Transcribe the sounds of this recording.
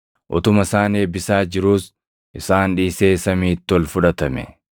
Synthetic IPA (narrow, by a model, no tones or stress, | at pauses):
ʔɔ̰t̪ʊmɐsaːneːbɪsaːd͡ʒɪɾuːs | ʔɪsaːnᶑiːseːsɐmiːt̪ːɔlfʊᶑɐt̪ɐmɛ̰